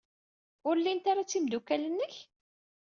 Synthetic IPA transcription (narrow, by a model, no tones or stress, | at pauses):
ʊɾlːint̪aɾˤat͡sːimd̪ukælənːəç